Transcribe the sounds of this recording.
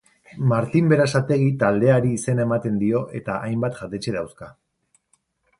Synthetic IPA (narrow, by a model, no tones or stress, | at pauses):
maɾt̪imbe̞ɾasat̪e̞ɣ̞it̪ald̪e̞aɾiːse̞naemat̪e̞nd̪io̞ʔe̞t̪aʔajmbat̪ʝat̪e̞t͡ʃeðawska